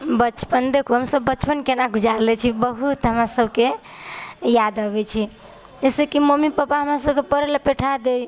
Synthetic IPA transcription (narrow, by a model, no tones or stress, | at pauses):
bət͡ʃpənd̪ekʰuɦəmsəbːəːt͡ʃʰpənkenaɡʱud͡ʒaɾlɛt͡ʃʰibəɦut̪ɦəmɾasəbʱke | jad̪abɛt͡ʃʰi | d͡ʒɛsekimomipapaɦəmɾasəbkepəɾelepeʈʰad̪ej